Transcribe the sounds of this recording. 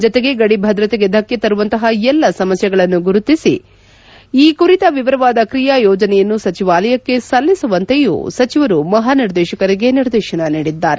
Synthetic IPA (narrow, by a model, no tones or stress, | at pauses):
d͡ʒɔt̪eɡe̞ɡɐɽibʱɐd̪ɾɐt̪eɡe̞d̪ʱɐkjɐt̪ɐɾuʋɐnt̪ɐɦɐɛlːɐsɐmɐsjɐɡɐɭɐnːuɡuɾut̪ːisḭ | iːkuɾit̪ɐʋiʋɐɾɐʋaːd̪ɐkɾijajɔːd͡ʒɐnɛjɐnːusɐt͡ʃiʋaːlɐjɐkːe̞sɐlːisuʋɐnt̪ejṵsɐt͡ʃiʋɐɾumɐɦaːniɾd̪ɛːʃɐkɐɾiɡe̞niɾd̪ɛːʃɐnɐniːɽid̪ːaːɾe